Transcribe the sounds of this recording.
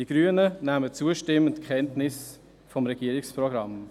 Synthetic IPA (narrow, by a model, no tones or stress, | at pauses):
d̥iɡ̥ɾyːənənæmət͡suəʃtɪmːəntkʰχɛntnɪs | fɔmɾɛɡ̥iːəɾɪksprɔɡɾɑm